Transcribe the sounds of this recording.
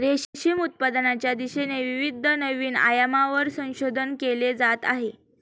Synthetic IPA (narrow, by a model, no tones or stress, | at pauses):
ɾeɕɕiːmut̪̚pad̪nat͡ɕjad̪iɕeneʋiʋid̪ʱənəʋiːna̰jəmaʋəɾsə̃w̃ɕod̪ʱənkeled͡zat̪a̰ɦe